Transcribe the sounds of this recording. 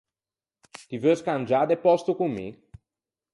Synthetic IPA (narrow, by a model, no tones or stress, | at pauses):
t̪ivəskanʲd͡ʒad̪epɔst̪ukumːḭ